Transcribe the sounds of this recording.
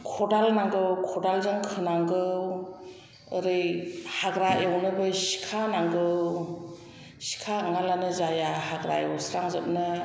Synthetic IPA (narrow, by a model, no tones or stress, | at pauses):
kʰɔdalnaŋɡɯwkʰɔdalzaŋkʰɯnaŋɡɯw | əɾɯjhaɡɾaʔewnɯbɯsi̥kʰanaŋɡɯw | si̥kʰaŋalanɯzajahaɡɾa̰jewsɾaŋzɯp̚nɯ